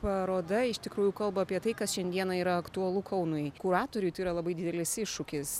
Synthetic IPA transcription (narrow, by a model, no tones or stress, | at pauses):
pɐɾoːd̪ɐɪʃt̪ʲɪkɾuːjuːkɐlˠbɐɐpʲiɛt̪ɐɪkɐsʃʲɛnʲd̪ʲiɛnɐiːɾɐɐkt̪uɐlˠukʰɐʊnʊjkʊɾɑːt̪oːɾʲʊjt̪ɐɪɾɐlˠɐbɐɪd̪ʲɪd̪ʲɛlʲɪsɪʃʃʊkʲɪs